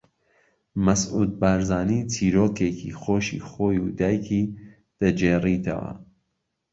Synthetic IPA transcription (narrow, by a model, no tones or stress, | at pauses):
mɐsʔuːd̪̚baːɾzaːniːt͡ʃʰiːɾoːkekḭxoːʃḭːxoːjud̪aːjkʰi | d̪̥ɐd͡ʒeːrit̪ʰɐ̰wɐ̰